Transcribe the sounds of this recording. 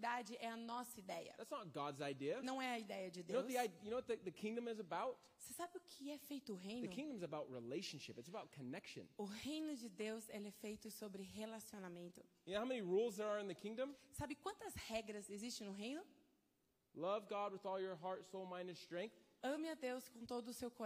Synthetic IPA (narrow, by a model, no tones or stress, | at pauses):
id̪ad͡ʒɪʔɛɐnɔsɐid̪ɛjɐ̰ðætsnət̚ɡ̥ɑdzaɪdiɨnɐ̃w̃ɛɐid̪ɛjɐd͡ʒɪd̪eowwsðiaɪjɨnoʊwʌt̪̚ðɨðɨkʰɪ̃ŋdɨ̃mɨzɨbaʊt̚ | sesabɪʊkʰɪɛfejt̪ʊːɦẽj̃nðɨʊkʰɪ̃ŋdɨ̃mɨzɨbaʊt̚ɹileɪʃɨ̃n̩ʃɪpɨtsəbaʊt̚kʰɨnɛkʃɨ̰̃nʊɦejnʊd͡ʒɪd̪ewzelɛfejt̪ʊsobɾɪɦelasionamẽnt̪ʊjhaʊmɛ̃niɹulˠzðə˞əɨ̃nðɨkʰɪ̃ŋdə̃msabɪkwɐ̃nt̪ɐzhɛɡɾɐzezistt͡ʃẽj̃nʊɦẽjnʊ | lʌvɡɑd̚wɨðɔlˠjə˞ɦɑɹtsoʊlˠmãɪ̃ndɨ̃nstɹ̥ɛ̃ŋk̚θɐ̃mɪɐd̪ewskõt̪od̪ʊːsewko